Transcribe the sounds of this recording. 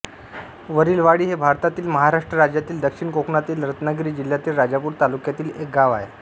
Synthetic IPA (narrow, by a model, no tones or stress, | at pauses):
ʋəɾiːlʋaɽiːɦebʱaɾt̪at̪iːlməɦaɾaʂʈɾəɾad͡ʑjat̪iːld̪əkʂiɳkokɳat̪iːlɾət̪naɡɾiːd͡ʑil̤jat̪iːlɾad͡ʑapuːɾt̪alukjat̪iːlek̚ɡaʋae